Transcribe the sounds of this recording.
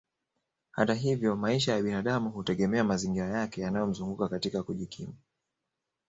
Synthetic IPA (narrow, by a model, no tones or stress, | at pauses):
ha̰taɦivjɔmaiʃajaɓinaɗamuhutɛɠɛmɛamaziŋɡiɾajakɛjanajɔm̩zuŋɡukakatikakuʄikʰima